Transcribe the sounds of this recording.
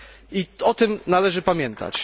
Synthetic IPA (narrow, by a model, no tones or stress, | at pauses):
iɔt̪ɘmnalɛʐɘpamʲjɛnt̪ʰa̰t͡ɕ